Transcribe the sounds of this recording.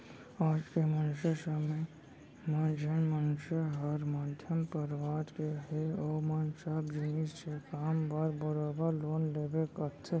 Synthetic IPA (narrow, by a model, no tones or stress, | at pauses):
aːd͡ʒkemənʃəsəmej | mãːd͡ʒʱənmənʊʃəɦəɾmaːd̪ʱjəmpəɾʋaːɾkeɦeoːmansaːbd͡ʒinid͡ʒsekaːmbaːɾbəɾoːbəɾloːnleːbekəɾt̪ʰe